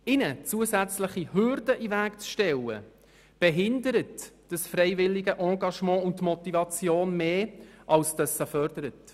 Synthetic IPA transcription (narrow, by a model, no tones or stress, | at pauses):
ɪnət͡suːəzæt͡sləχiɦʏɾdəʔivæːkt͡sʃtɛlə̰ | b̥ɛɦɪndəɾətd̥əsfrɛɪvɪlːɪɡəʔɑ̃ːɡɑʃmɑ̃ːʊnttmɔtivɑt͡sjoːnmeːʔɑlsd̥əsəfœrd̥əɾət